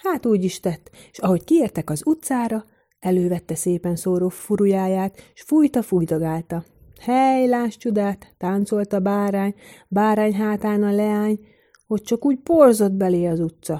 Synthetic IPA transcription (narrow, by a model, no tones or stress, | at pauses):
haːt̪uːɟiʃt̪ɛt̪ːʃɒɦo̞ckieːrt̪ɛkɒzut̪saːɾɒ | ɛløːvɛt̪ːɛseːpɛnsoːɾofuɾujaːjaːt̪ʃfujt̪ɒfujt̪oɡaːlt̪ɒ | hɛjlaːʃt͡ʃud̪aːt̪ːaːnt̪so̞lt̪ɒbaːɾaːɲbaːɾaːɲɦaːt̪aːnɒlɛaːɲ | ho̞c̚t͡ʃɒkuːɟporzo̞d̪bɛleːɒzut̪sɒ